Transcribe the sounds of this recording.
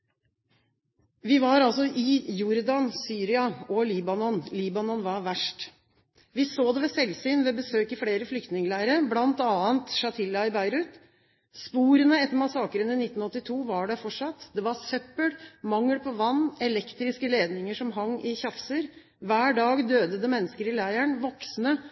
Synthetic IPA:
ʋɪʋɑɾɑlsɔʔɪjʊɾd̪ɑnsyːɾɪɑɔliːbɑnɔnliːbɑnɔnʋɑɾʋæʂʈ | ʋɪsoːd̪ɛʋɛsɛlsyːnʋɛbəsøːkɪfleːɾəflʏk̚t̪nɪŋəlæːɾəblɑnt̪ɑːənt̪ʂɑt̪ʰɪlːɑɪbæɪɾʉːt̪ | spuːɾənəɛt̪ːəɾmɑsɑːkəɾənɪnɪt̪ːn̩ɔt̪ːɪt̪ʰuːʋɑɖɛfɔʈʂɑt̪d̪ɛʋɑɾsœpːəɽmɑŋːəlpʰɔʋɑnːɛlɛkt̪ɾɪskəleːd̪nɪŋəʂɔmɦɑŋːɪçɑfsəɾ | ʋæːɖɑːɡd̪øːd̪əd̪əmɛnːəskəɾɪlæɪæɳʋɔksnə

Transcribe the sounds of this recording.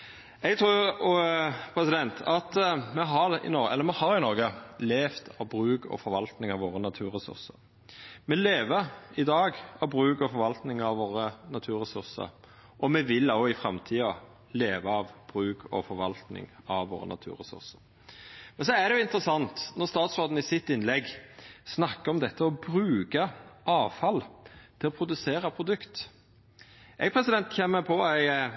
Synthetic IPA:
ɛɡt̪ʰɾʉːɾ | pʰɾɛsɪd̪ɛnt̪ʰɑt̪mɛɦɑʁɪ̰nɔɛlːəɾmɛhɑɾɪnɔɾɡəleːft̪ʰɑʋbɾʉːkɔ̰fɔɾʋɑlt̪nɪŋɑʋoːɾənɑt̪ʰʉːɾɛsʉ̰ɾsə̰ɾ | mɛleːʋəɪd̪ɑːɡɑʋbɾʉːkɔfɔɾʋɑlt̪nɪŋɑʋʋoːɾənɑt̪ʰʉːɾɛsʉɾsə̰ɾ | ʔɔmɛʋɪlːoɪfɾɑmt̪ʰiːɑ | leːʋɑɑʋb̥ɾʉːkʰɔ̰fɔɾʋɑlt̪nɪ̰ŋɑʋʋo̰ːɾə̰nɑ̰t̪ʰʉ̰ːɾɛsʉ̰ɾsə̥ɾ | mɛnsɔæd̪ɛjʊɪnt̪əɾəsɑnt̪nɔɾst̪ɑːt̪sʁoːd̪n̩ɪsɪt̪ːɪnlɛɡsnɑkːəɾɔmd̪ɛt̪ːəɔbɾʉːkɑɑːʋfɑlt̪ʰɪlɔpʰɾʊd̪ʉseːɾɑpʰɾʊd̪ʉkt̪ | ɛɡpʰɾɛsɪd̪ɛnt̪çɛmːəpʰɔæɪ

